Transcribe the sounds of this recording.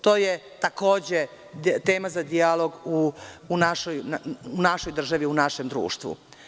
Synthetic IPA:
t̪o̞ːje | t̪ako̞ːd͡ʑe | t̪eːmazad̪ialˠo̞ɡuːnaʃojnunaʃo̞jd̪r̩ʒaʋiunaʃe̞md̪ɾṵːʃt̪ʋṵ

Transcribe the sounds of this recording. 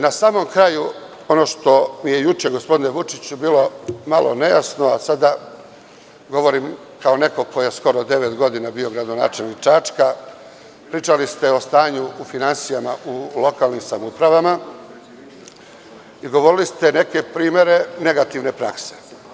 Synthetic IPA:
nasaːmo̞mkɾaːju | o̞no̞ːʃt̪o̞mijejut͡ʃeɡospo̞d̪ineʋut͡ʃit͡ɕubiːlo̞malʔo̰ne̞ja̰snoasad̪a | ɡo̞ʋo̞ɾim | kaone̞ko̞kojje̞sko̞ɾod̪e̞ʋet̪ɡo̞d̪inabio̞ɡɾad̪o̞na̰ːt͡ʃelnikt͡ʃat͡ʃka | pɾiːt͡ʃalist̪e̞o̞st̪aːɲuːfinansijamaulo̞kaːlnimsamupɾaʋama | iɡo̞ʋo̞ɾilist̪e̞ne̞ke̞pɾiːmje̞ɾe̞ne̞ɡat̪iʋne̞pɾa̰kse̞̥

